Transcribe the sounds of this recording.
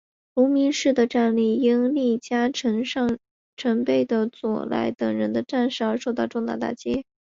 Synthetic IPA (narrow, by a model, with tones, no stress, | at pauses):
lu˧˥mi˧˥ŋʂɻ̩˥˩d̪ə˩ʈ͡ʂa˥˧nli˥˩i˥ŋli˥˩t͡ɕja˥ʈ͡ʂʰə˧˥ŋʂɑ˥˩ŋ | ʈ͡ʂʰə˧˥ŋpe˥˩ɪd̪ə˩t͡swɔ̰˨˩lʔa̰˧˥ɪt̪ɤ˨˩ŋɻə˧˥nd̪ə˧ʈ͡ʂa˥˧nʂɻ̩˥˩ə˞˧˥ʂo˥˧ʊt̪ɑ˥˧ʊʈ͡ʂʊ˥˧ŋt̪a̰˥˧t̪a̰˥˩t͡ɕjɛ˥